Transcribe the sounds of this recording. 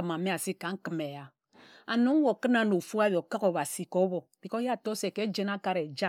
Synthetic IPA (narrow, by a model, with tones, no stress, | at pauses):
a˨mã˨mɛ̃˦a˨si˦kã˨˦ŋ˦ki˨mɛ˨ja˨ | a˨nũ˨˦wɔ˨ki˦nã˦no˨fu˦a˦bɔ˨ka˦kɔ˨βa˨si˨kɔ˦bɔ˨b̥i˨kɔ˦ja˦˨tɔ˦sɛ˨kɛ˦d͡ʒɛ˦na˦ka˦ɾɛ˨d͡ʒa˦˨